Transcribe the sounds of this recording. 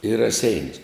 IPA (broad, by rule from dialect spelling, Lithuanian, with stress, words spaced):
ɪ rɐˈsʲɛɪnʲʊs